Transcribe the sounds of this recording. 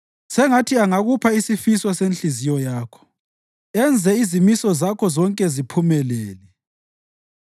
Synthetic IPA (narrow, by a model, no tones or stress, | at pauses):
sɛŋatʰiaŋaɣupʰaisifiswasenɬizijɔjaːkʰɔ̥ | ɛnd͡zʱɛizimisɔzakʰɔzɔŋkʼɛzipʰumɛlɛːlɛ